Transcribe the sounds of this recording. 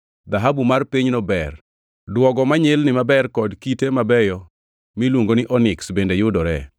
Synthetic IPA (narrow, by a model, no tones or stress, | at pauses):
d̪aɦabumarpiɲnɔbɛr | dwɔɡɔmaɲɪlnɪmabɛrkɔdkitemabɛjɔ | milwoŋɡonɪʔɔnɪksbendejʊdɔɾɛ̰